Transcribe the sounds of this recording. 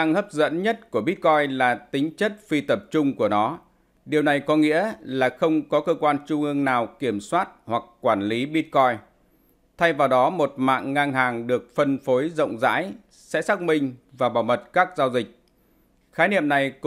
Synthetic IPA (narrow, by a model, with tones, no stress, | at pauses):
a˧ŋhəː˦˥p̚zə̰˧˥nɲə˦˥t̚ku˧˩əɓi˦˥t̚kɔ˧jlaː˨˩t̪ï˨˦ŋ̟t͡ɕə˦˥t̚fi˧t̪ə˨˩p̚t͡ɕʊ˧ŋ͡mku˧˩ənɔ˨˦ | ɗi˨˩əwna˨˩jkɔ˨˦ŋḭ˧˥əlaː˨˩xə˧wŋ͡mkɔ˨˦kəː˧kwaː˧nt͡ɕʊ˧ŋ͡mʔɨ˧əŋnaː˨˩wki˧˩əmswaː˦˥t̚hwa˨˩kːwaː˧˩nli˨˦ɓi˦˥t̚kɔ˧j | t̪ʰa˧jvaː˨˩wɗɔ˨˦mo˨˩t̚ma̰ː˧˨ŋːaː˧ŋɦaː˨˩ŋɗɨ˨˩ək̚fə˧nfo˨˦jzə̰˧˨wŋ͡mza̰ː˧˥j | sɛ̰˧˥saː˦˥k̚mï˧ŋ̟vaː˨˩ɓaː˧˩wmə˨˩t̚kaː˦˥k̚zaː˧wzï˨˩k̟̚ | xaː˨˦nḭ˧˨əmna˨˩jk